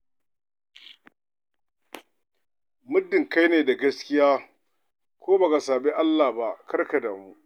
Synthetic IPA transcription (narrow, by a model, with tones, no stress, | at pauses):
mʊ˦dːɪ˨ŋka˦jneː˨da˨ɡɐ˦skʲɪ˦jaː˦ | kʷoː˦ba˨ka˨saː˨be˦ʔa˦lːaː˨ba˦kɐ˦rka˨da˨mu˦ʔ